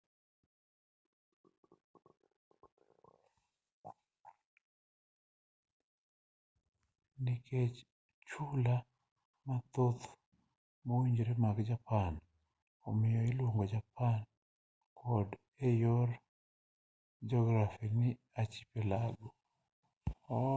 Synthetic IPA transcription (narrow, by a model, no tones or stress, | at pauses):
nikʰet͡ʃ | t͡ʃula | mat̪ot̪ | mowiɲd͡ʒɾemakd͡ʒapan | ɔ̰mɪjɔɪlwoŋɡod͡ʒapan | kʰɔd | ejoɾ | d͡ʒɔɡɾafinɪ | at͡ʃi̥pelaɡo